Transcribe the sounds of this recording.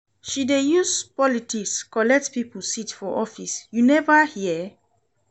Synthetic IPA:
ʃidejuspɔlitikskɔlɛk̚tpipl̩sitfɔʔɔfisjunɛvəhiə

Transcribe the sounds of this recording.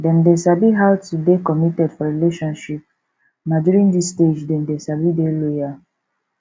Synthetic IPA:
dɛ̃ndesabiɦawtudekɔmitɛdfɔɾileʃɔ̃nʃip̚ | naduɾĩndisted͡ʒdɛ̃ndesabideloja

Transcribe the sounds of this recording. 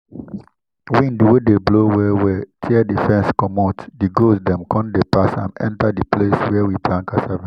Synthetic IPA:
wĩndwedeblowɛwɛtʰiɛdifɛ̃nskɔmɔtdiɡosdɛ̃mkʰɔ̃ndepasã̰nɛ̰̃ntadipʰleswɛwiblãŋkasavĩ

